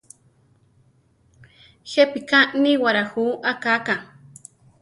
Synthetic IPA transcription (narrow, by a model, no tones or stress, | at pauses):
xepikaʔniwaɾaxuʔakakaŋ